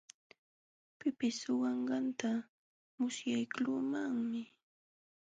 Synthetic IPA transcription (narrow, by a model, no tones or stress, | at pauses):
pɪpɪsʊwɑɴɢɑnt̪a | mʊsjajkluːmaŋmɪ